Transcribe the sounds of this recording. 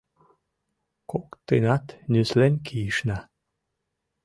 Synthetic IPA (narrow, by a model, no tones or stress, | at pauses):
kokt̪enat̪nʲyslenʲkʰiʃna